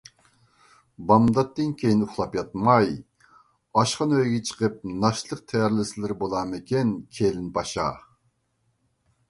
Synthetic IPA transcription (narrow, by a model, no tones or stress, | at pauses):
bɑmd̪ɑt̪ːɨnkʲʰejinʊχlˠɑpjɑt̪mɑj | ɑʃqɑnøjɡʲɛt͡ʃʰə̥qəp̚nɑʃlˠəq̚t̪ʰɛjɑɾlɪsɪlɪɾbolˠɑmɪkʲɛnkʲʰelɪnbɑʃɑ̰